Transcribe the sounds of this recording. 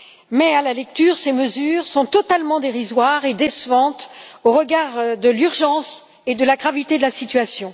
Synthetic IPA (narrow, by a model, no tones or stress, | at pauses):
mɛalalɛk̚t̪yːʁseməzyːʁsɔ̃t̪ɔt̪almɑ̃d̪eʁizwaʁed̪esvɑ̃t̪oʁəɡaʁd̪əlyʁʒɑ̃s | ed̪əlaɡʁavit̪ed̪əlasit̪ɥasjɔ̃